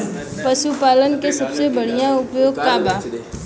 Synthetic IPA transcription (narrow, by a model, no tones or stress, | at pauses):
pəʃupaːlənkesɐbsebɐɽ̤ijãʊpjoːɡkaːbaː